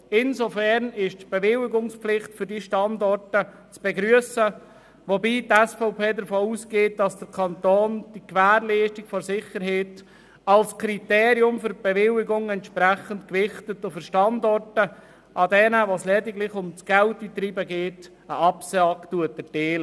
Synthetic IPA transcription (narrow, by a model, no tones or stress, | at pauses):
ɪnsofɛɾnɪʃtb̥ɛʋɪlɪɡʊŋspflɪχtfʏɾdiːʃtɑndɔrtə | t͡sb̥eɡɾyəsə | ʋobiːtɛsfɔʊpeːdəɾfoːusɡ̥eːt̚d̥ɑsd̥əɾkʰɑnt̪oːnd̥ikʋæːɾliːstɪɡfɔɾsɪχəɾɦɛːt | ɑlskʰɾiteːɾiʊmfʏɾb̥ɛʋɪlɪɡʊŋɛntʃpɾæχəntkvɪχtətʊfʏɾʃtɑndɔrtə | ʔɑdɛnəʋoslɛdɪɡlɪχʊmt͡sɡ̥ɛltit̪ɾiːbəɡeːt | əɑpsɑktuətədeːlə